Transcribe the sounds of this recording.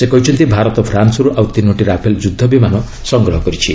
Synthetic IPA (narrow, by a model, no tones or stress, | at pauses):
sekʌjt͡sʰʌnt̪ibʱaɾʌt̪ɔpʰransʌɾuʔawt̪inoʈiɾapʰeld͡zud̪ʱːʌbimanʌ | sʌŋɡrʌɦʌɡʌɾit͡sʰi